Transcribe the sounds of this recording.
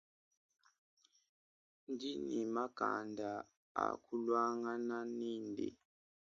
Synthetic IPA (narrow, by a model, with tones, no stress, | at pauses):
nd͡ʒi˦ni˨ma˦ɡ̥a̰˨nda˨ | a̰˨kʰu˦lwa˦ŋa˦na˦niː˦ndḭ˨